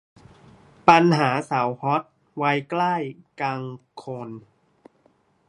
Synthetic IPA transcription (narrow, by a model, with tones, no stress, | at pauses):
pa˧nɦaː˩˦sa˩˦whɔ˦˥t̪̚ | wa˧jkla˥˩jkaː˧ŋkʰo˧n